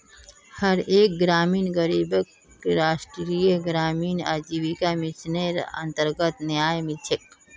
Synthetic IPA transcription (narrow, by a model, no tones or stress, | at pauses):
həɾeːk̚ɡɾaːmiːnɡəɾiːbəkː | ɾaːʃʈɾijəɡɾaːmiːna̰d͡ʒiʋikamit͡ʃʰneɾə̰nt̪əɾɡət̪njaːjmit͡ʃʰek̚